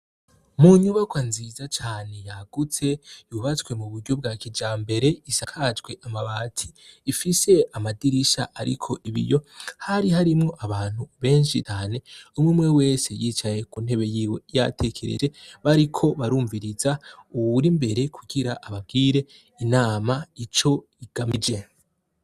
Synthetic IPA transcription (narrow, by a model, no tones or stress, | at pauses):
muɲuβakwanzizat͡ʃaːne̞jaɡ̥ut͡se̞juːβat͡swe̞muβuɾɟo̞b̚ɡaːkid͡ʒaːmbe̞ɾe̞isakʰad͡ʒɡwe̞ʔamaβatʰi̥ːfise̞amadiɾiʃaʔaɾḭkʰo̞ʔiβḭjo̞haɾiɦaɾimŋo̞ʔaβaːn̥huβe̞ːnʃit͡ʃaːne̞umumŋe̞we̞ːse̞jiːt͡ʃaje̞kun̥e̞βe̞jiːwe̞ja̰tʰe̞kʰe̞ɾḛd͡ʒe̞βaɾikʰo̞βaɾuːɱviɾizauβuɾimbe̞ɾe̞kʰuɡiɾaʔaβab̚ɡiːɾe̞ | inaːmait͡ʃo̞ | iɡ̥amid͡ʒe̞